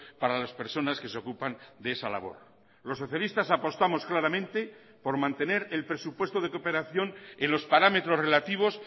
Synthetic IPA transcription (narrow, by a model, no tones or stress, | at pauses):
paɾalaspe̞ɾso̞naske̞seo̞kupand̪eesala̰β̞o̞̰ɾ | lo̞sːo̞θjalist̪asapo̞st̪amo̞sklaɾamẽnt̪e̞ | po̞ɾmãnt̪e̞ne̞ɾelpɾe̞supwe̞st̪o̞ðe̞ko̞pe̞ɾaθjo̞nenlo̞spaɾame̞t̪ɾo̞zre̞lat̪iβ̞o̞s